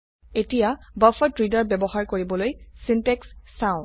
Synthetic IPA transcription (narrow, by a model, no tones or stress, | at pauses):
etijabəfɔtɹidaɹbɛbɔxaɹkoɹibɔlojsintɛksːãʊ̃